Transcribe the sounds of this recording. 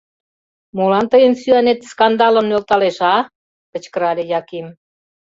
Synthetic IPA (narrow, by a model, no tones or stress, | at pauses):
molɑnt̪əjənsyænet̪skɑnd̪ɑlə̆mnølt̪ɑleʃɑ | kə̆t͡ɕkəɾɑlʲejɑkim